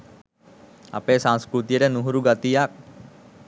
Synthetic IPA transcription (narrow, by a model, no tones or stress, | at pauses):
a̰peːsãŋskɾut̪ijəʈənuɦuɾuɡat̪ijak̚